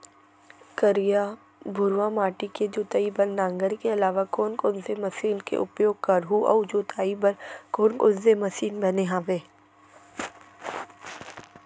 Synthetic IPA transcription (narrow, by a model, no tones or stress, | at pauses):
kəɾija | bʱʊɾʋamaːʈiked͡ʒoːt̪aibɐnːãːŋɡəɾkeɐlaːʋakoːnkoːnsemɐsiːnkḛʔʊpjoːɡ̚kɐɾɦuʔɔ̰ːd͡ʒoːt̪ʰaːibɐɾkoːnkʊzemɐsiːnbɐneɦãːʋeː